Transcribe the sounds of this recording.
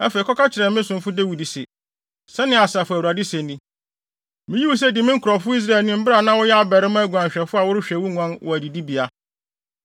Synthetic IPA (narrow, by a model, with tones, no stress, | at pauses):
æ̰˦fe˨i˨kɔ˦ka˦t͡ɕʰɪ˨ɾɛ˨mɪ̃˦sʊ̃˨m˦fʊ˦de˦wi˨di˨sɪ̰˨ | sɛ˦nɪ̃˦a˨sa˨fʊ˨æ˨wu˨ɾa˨dɪ˦sɛ˨nĩ˦ | mɪ̃˦ji˦wʊ˦s̬ɛ˦dɪ˨mɪ̃˦ŋ̩˦kʰʊ˨ɾɔ˨fʊ˦i˦s̬ɾa˦˨ɛ˨lnʊ̃˦m̩˦bɪ˦ɾa˨nã˦wʊ˦jɛ˦a˦bɛ˨ɾɪ˦m˦æ˦ɡu˨ã˨ɲ˨ɕᶣɛ˨fʊ˦a˨wʊ˦ɾʊ˦ɕᶣɛ˨wʊ˦ŋã˦nwʔɔ˨æ˨di˨di˦bi˨a˦